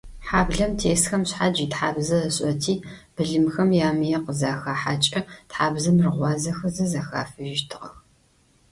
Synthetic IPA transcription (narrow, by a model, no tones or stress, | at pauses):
ħaːbɮɐmtʰeːsxɐmɕħad͡ʒiːtħaːbzɐɕʼɐtʰiːb̥ɨɮɨmxɐmjaːmɨjɛqəzaːxaːħaːt͡ʃʼɐtħaːbzɐmrɨʁʷɑːzɐxɐzɐzaxa̰ːfɨʒɪʃtʰɨʁɐ̰x